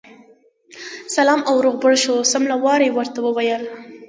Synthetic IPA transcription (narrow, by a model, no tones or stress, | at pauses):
salɑmawɾoɣbəɽʃosamlawɑɾewəɾt̪awəwajəl